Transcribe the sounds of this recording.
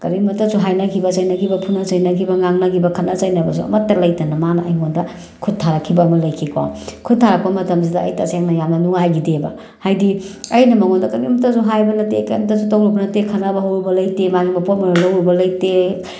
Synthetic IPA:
kɐɾimɐtɐsuɦajnakʰibɐsɐjnakʰibɐpʰunɐsɐjnakʰibɐŋaŋnakʰibɐkʰɐnɐsajnɐbɐs̬uɐ̰mɐtːɐlɐjtɐnɐmanɐʔɐjŋondɐ | kʰud̚tʰaɾakʰibɐːmɐlɐjkʰikawkʰud̚tʰaɾɐk̚pːɐmɐtɐms̬idɐːjtɐseŋnɐjamnɐnuŋajɡidebɐ | hajdiɐjnɐmɐŋondɐkɐmimɐtasuɦajbɐnɐtekɐjmɐtasutowlobɐnɐtekʰɐnabɐɦowɾubɐlɐjtemaɡimɐpotmɐnɐlowɾubɐlɐjte

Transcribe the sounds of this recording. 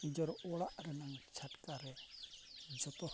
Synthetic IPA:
id͡ʒɔɾɔɽaʔɾɛnaŋɡt͡ʃʰaʈkaɾɛ | d͡ʒɔt̪ɔ

